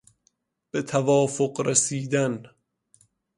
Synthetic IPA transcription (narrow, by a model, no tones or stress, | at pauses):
b̥et̪ʰævɒːfoqɾesiːd̪æn